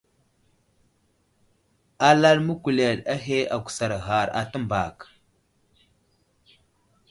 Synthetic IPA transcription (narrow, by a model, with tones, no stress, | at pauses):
a˦la˦lmu˦ku˨le˨ɗa˦ɦe˦a˨ku̥˨sa˨ɾɣa˨ɾa̰˨tə˦mba˨k